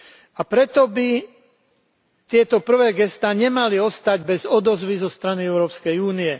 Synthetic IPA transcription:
apɾɛt̪ɔbi | t̪ɪɛt̪ɔpr̩ʋɛːɡɛst̪aːɲɛmaliɔst̪aɟbɛzɔd̪ɔzʋizɔst̪ɾaniɛʊɾɔːpskɛjuːniɛ

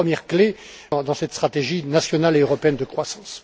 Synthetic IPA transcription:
əmjɛʁklẽ | d̪ɑ̃sɛt̪st̪χat̪eʒinasjɔnaleøʁɔpeɛnd̪əkχwasɑ̃s

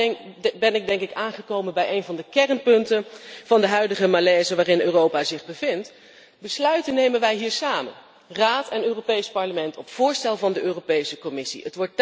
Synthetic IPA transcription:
bɛnɪɡ̚dɛŋkɪkaːnχəkowmənbɛjejnvɑndəkɛrnpɵntənv̥ɑndəɦœɥdəχəmalɛːzəʋaːrɪnøːrowpaːzɪχbəvɪnt | bəslœɥtənːejmənʋɛjɦiːɹsaːmə̰n | raːtɛnøːropejspɑɹləmɛntɔpfʊːɹstɛlˠvɑndəʔøːropejsəkɔmɪsḭətʋɔɹt̚

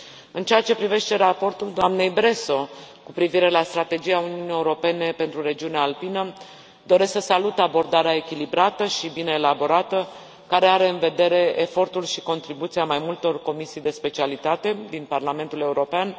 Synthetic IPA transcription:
ɨnt͡ʃeat͡ʃe̞pɾive̞ʃt̪e̞ɾapo̞rt̪uld̪oamne̞jbɾe̞so̞kupɾiviɾe̞last̪ɾat̪e̞d͡ʒijauniunije̞uɾo̞pe̞ne̞pe̞nt̪ɾuɾe̞d͡ʒiuneaːlpinə | d̪o̞ɾe̞sksəsalut̪abo̞rd̪aɾeae̞kʲilibɾat̪əʃibine̞ːlabo̞ɾat̪ə | kaɾe̞aɾe̞ɨnve̞d̪e̞ɾe̞ʔefo̞rt̪ulʃiko̞nt̪ɾibut̪siamajmult̪o̞rko̞misijd̪e̞spe̞t͡ʃialit̪at̪e̞d̪inparlame̞nt̪ule̞uɾo̞pean

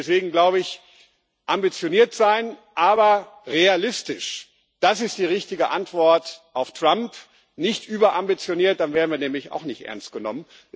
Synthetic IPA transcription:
ɛsv̥eːɡŋ̩ɡlaʊbəɪç | ʔambit͡sjoniːɐtz̥aɪnʔaːbɐʁealɪstɪʃ | d̥asɪst̚d̥iːʁɪçtɪɡəʔa̰ntv̥ɔɐtʔaʊftʁ̥amp | nɪçtʔyːbɐʔambit͡sjoniːɐt̚d̥anveːɐdn̩viːɐnɛːmlɪça̰ʊxnɪçtʔɛ̰ɐnst̚ɡ̥ənɔ̰mən

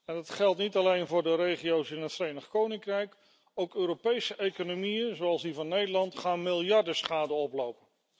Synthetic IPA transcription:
ɛndɑtχɛlˠtnitɑlejnvʊːɹdərejχiowsɪnɦətfrejnəχkownɪŋkrɛjk | owkøːɾopejsəʔejkonomijənzowɑlˠsdivɑnːejdəlɑntχaːnmɪlˠjɑɹdəsχaːdəɔplowpən

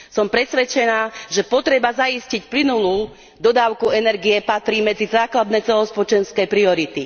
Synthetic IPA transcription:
sɔmpɾɛsʋɛt͡ʃɛnaːʒɛpɔt̪ɾɛbazaiscicplinuluː | d̪ɔd̪aːʊkuɛnɛɾɡijɛpat̪ɾiːmɛd͡zizaːklad̪nɛt͡sɛlɔspɔt͡ʃɛnskɛpɾiɔɾit̪i

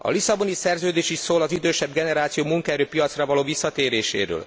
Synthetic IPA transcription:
ɒ̰lisɒbo̞nisɛrzøːd̪eːʃiʃsoːlɒzid̪øːʃɛbɡɛnɛɾaːt̪sijoːmuŋkɔɛɾøːpijɒt̪srɒvɒloːvisːɒt̪eːɾeːʃḛːɾø̰ːl

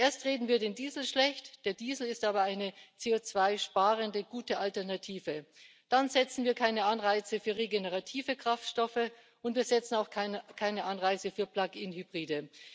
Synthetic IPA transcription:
ʔeːɐstʁeːdn̩viːɐdeːndiːzl̩ʃlɛçtd̥eːɐdiːzl̩ɪstʔaːbɐaɪnət͡seːoːt͡sv̥aɪʃpaːʁəndəɡuːtəʔaltɛɐnatʰiːvə | d̥anzɛt͡sn̩viːɐkʰaɪnəʔanʁaɪt͡səfyːɐʁeɡenəʁatʰiːvəkʁ̥aftʃtɔfə | ʔʊntviːɐz̥ɛt͡sn̩aʊxkʰaɪnəʔanʁaɪt͡səfyːɐpl̥akɪnhybʁiːdə

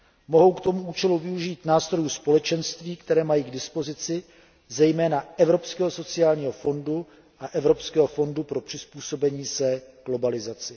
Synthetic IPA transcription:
mo̞ɦo̞wkt̪o̞muʔuːt͡ʃɛluvɪuʒiːt̪naːst̪ɾo̞juspo̞lɛt͡ʃɛnst̪viːkt̪ɛɾɛːmajiːɡdɪspo̞zɪt͡sɪ | zɛjmɛːnaɛvɾo̞pskɛːɦoso̞t͡sɪaːlɲiːɦo̞fo̞ndu | ʔaʔɛvɾo̞pskɛːɦo̞fo̞ndupɾo̞pr̥ɪspuːso̞bɛɲiːsɛɡ̥lo̞balɪzat͡sɪ

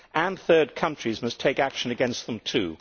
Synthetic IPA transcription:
ʔə̃nθɜ˞d̚kʰʌ̃nt͡ʃɹ̥izmʌstʰeɪkækʃɨ̃nɨɡɛ̃nst̪̚ðə̃mtʰʉ̰

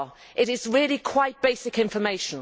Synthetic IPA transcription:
ʔɪɾɪzɹɪəlikʰw̥aɪt̚b̥eɪsɪkɪ̃ɱfəmeɪʃə̃n

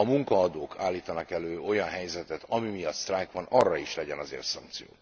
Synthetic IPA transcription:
ɒmuŋkɒːd̪oːkʰaːlːiːt̪ɒnɒkɛløːo̞jɒnɦɛjzɛt̪ɛt̪ɒmimijɒt̪st̪raːjkʋɒnɒrːɒiʃlɛɟɛnɒzḛːrt̪sɒŋkt̪sijo̰ː

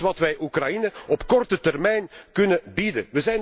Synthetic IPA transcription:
ʋɑtʋɛjʔukrɑjinəɔpkɔrtətɛrmɛjnkɵnəbidə̰ʋəzɛjn

